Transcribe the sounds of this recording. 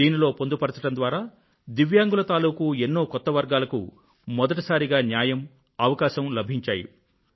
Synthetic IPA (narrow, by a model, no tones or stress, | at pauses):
iːnilo̞ːpond̪upɐɽɐt̪ɐʈɐnd̪ʋaːɾaː | d̪iʋjaːŋɡulɐt̪aːluːkuenːo̞ːkɔt̪ːɐʋɐɾɡaːlɐkṵ | mɔd̪ɐʈɐsaːɾiɡaːnjaːjɐm | ɐʋɐkaːʃɐmlɐbʱiɲt͡ʃaːjḭ